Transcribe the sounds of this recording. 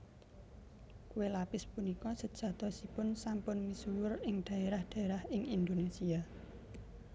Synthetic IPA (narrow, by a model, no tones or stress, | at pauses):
kuwelapɪspunikɔsəd̥ʒ̥ä̤t̪ɔsipʊnsampʊnmisuwʊrɪŋd̪̥a̤eɾahd̪̥a̤eɾahɪŋind̪onesia